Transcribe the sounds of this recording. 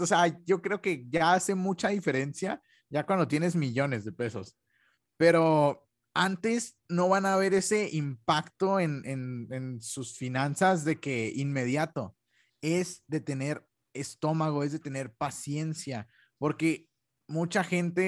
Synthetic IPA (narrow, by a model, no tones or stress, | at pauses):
oseaʝo̞kɾe̞o̞ke̞ʝaase̞mut͡ʃaðife̞ɾe̞nsja | ʝakwand̪o̞t̪je̞ne̞zmiʝo̞ne̞zðe̞pe̞so̞̰s | pe̞ɾo̞ | ant̪e̞s | no̞βanaːβe̞ɾe̞se̞impakt̪o̞e̞nenensusfinãnsazðe̞ke̞inme̞ðjat̪o̞ | e̞zd̪e̞t̪e̞ne̞ɾ | e̞st̪o̞maɣ̞o̞e̞zðet̪e̞ne̞ɾpasje̞nsja | po̞ɾke̞ | mut͡ʃaxe̞nt̪e̞